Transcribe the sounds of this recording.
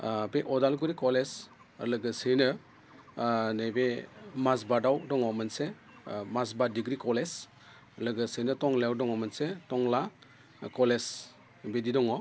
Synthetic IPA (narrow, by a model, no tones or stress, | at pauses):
beʔɔdalɡuɾikɔles | lɯɡɯsejnɯ | nebemasbadawdɔŋɔmanse | masbadiɡɾikɔles | lɯɡɯsenɯtɔŋlajawdɔŋɔmɐnsetɔŋla | kɔles | bedidɔŋɔ